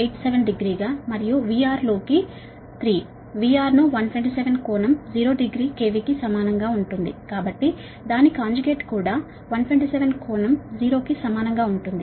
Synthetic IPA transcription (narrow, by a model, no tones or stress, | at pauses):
ejʈseʋenɖiɡɾiːɡaːmɐɾijuʋiaːɾlo̞ːki | t̪ɾiː | ʋiːaːɾnuʋɐnʈʰʋeɳʈ̬iseʋenkoːnɐmd͡ʒiːɾo̞ːɖiɡɾiːke̞ːʋikisɐmaːnɐŋɡaːuɳʈund̪ḭkaːbɐʈːi | d̪aːnikaːɲd͡ʒuɡe̞ːʈkuːɽaː | ʋɐnʈʰʋeɳʈiseʋenkoːnɐmd͡ʒiːɾo̞ːkisɐmaːnɐŋɡaːuɳʈund̪i